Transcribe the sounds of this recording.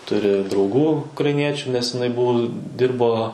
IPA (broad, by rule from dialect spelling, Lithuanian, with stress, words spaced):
ˈtʊrʲɪ drɐʊˈɡuː ʊkrɐɪˈnʲiɛt͡ʃʲʊ nʲɛs ɪˈnɐɪ ˈbʊʋʊ ˈdʲɪrboː